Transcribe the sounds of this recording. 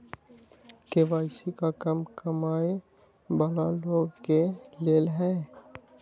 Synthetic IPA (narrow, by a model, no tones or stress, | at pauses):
keʋaːɪsikakɐmkɐmaːe | bəlaloːɡkeleːlɦɛː